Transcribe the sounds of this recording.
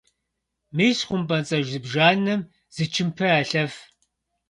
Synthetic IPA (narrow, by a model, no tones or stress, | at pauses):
mɨjsχʷʊmpʼɐnt͡sʼɐʒzɨbʒaːnɨm | z̥ɨt͡ʃʰɪmpʰɐaːɬɐf